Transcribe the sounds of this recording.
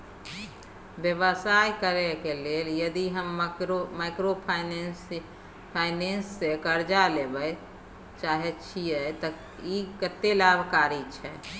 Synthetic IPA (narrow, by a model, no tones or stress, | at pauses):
ʋjəʋəsajkəɾɛkeleljəd̪iɦəmɾmaɪkɾopʰs | pʰaɪnensːekəɾd͡ʒalebəj | t͡ʃaɦɛt͡ʃʰijɛt̪ə | ikət̪ːelabʱkaɾit͡ʃʰɛ